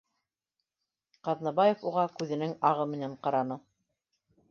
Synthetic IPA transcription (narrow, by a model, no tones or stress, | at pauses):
qɑðnɑbɑjɤfuʁɑkʉðɘ̆nɘŋɑʁɤmɘ̆næɴqɑɾɑnɤ